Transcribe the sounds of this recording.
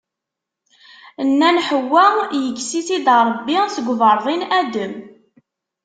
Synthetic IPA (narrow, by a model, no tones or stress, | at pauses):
ənːænħəwːæjəkːsiθid̪ɾˤəbːisəɡʷvəɾˤðˤinæd̪əm